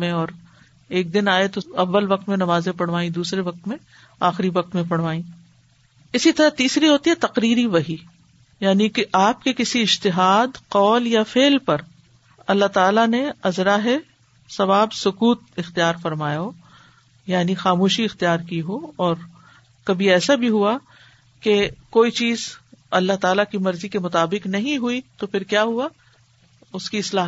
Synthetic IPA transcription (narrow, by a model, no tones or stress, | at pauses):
mẽɔːɾ | eːk̚d̪ɪnaːet̪oɐʋːəlʋɐq̚t̪mẽnɐmaːzẽpɐɽ̤ʋaːĩd̪uːsɾeʋɐq̚t̪mẽ | aːxɪɾiʋɐq̚t̪mẽpɐɽʋaːĩː | ɪsit̪ɐɾat̪iːsɾiɦoːt̪iɦɛt̪ɐqɾiːɾiʋɐɦi | jaːnikeʔaːp̚kekɪsiɪd͡ʒt̪ɪɦaːd̪qɔːljafeːlpɐɾ | ɐlːaɦt̪aːlaneɐzɾaːɦe | sɐʋaːbsʊkuːt̪̚ɪxt̪ijaːɾfɐɾmaːjaoː | jaːnixaːmoːʃiɪxt̪ijaːɾkiɦoɔːɾ | kɐbʱiɛːsabʱiɦua | kekoːit͡ʃiːzɐlːaɦt̪aːlakimɐɾzikemʊt̪aːbɪqnɐɦĩɦuit̪ofʰɪɾkjaːɦua | ʊskiɪslaːɦ